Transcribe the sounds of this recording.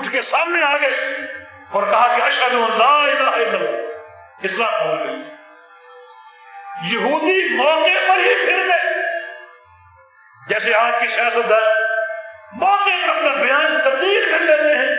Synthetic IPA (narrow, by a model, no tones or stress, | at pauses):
ʊʈʰkesaːmneaːɡəeː | ɔːɾkɐɦakeɐʃad̪ũə̃nd̪aːɪlːaːɪlːəlːa | ɪslaːt̪əolɐiː | jəɦuːd̪imɔːkepɐɾɦipʰɪɾmẽː | d͡ʒɛːseaːd͡ʒkisɪjaːsət̪̚d̪ãːn | maːkekɐpnabɪjaːnt̪ɐbd̪iːlfɪɾlẽːd̪eɦɛ̃ː